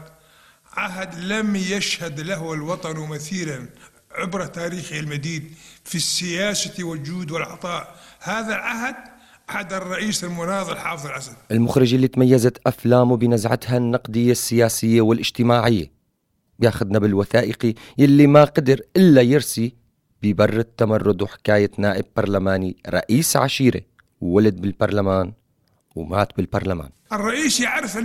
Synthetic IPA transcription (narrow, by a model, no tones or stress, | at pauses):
ʕaɦad̪lamjaʃhad̪laɦɪlwɑt̪ˤɑnwmɪθiːlan | ʕɪbɾˤɑt̪aːɾiːxialmad̪iːd̪fisːɪjaːsawɪld͡ʒuːd̪wɪlʕɑ̰t̪ˤɑːʔhaːðalʕaɦad̪̚ | ʔaħad̪ɨrˤːɑʔiːsɪlmʊnɑːðˤɪlħɑːfɨðˤɑlʔasad̪̚ʔɪlmʊxɾɪd͡ʒʔɪlːit̪majːazat̪ʔaflaːmubɪnazʕa̰t̪hanːɑqd̪ɪjːasːɪjaːsɪjːawɪlʔɪd͡ʒt̪ɪmaːʕɪjːa̰ | bjaːxʊd̪nabɪlwaθaːʔɪqijalːimaqad̪ɪɾʔɪlːajɪɾsi | b̥ɪbɑrˤːɪt̪ːamɑrˤːʊd̪ˤwħɪ̥kaːjanaːʔɪb̚bɑɾˤlamaːniɾˤɑ̰ʔiːsʕaʃiːɾḭ | wwalad̪̚bɪlbɑɾˤlamaːn | wmaːt̪bɪlbɑɾˤlama̰ːnʔɪrˤːɑʔiːsaʕɾɪf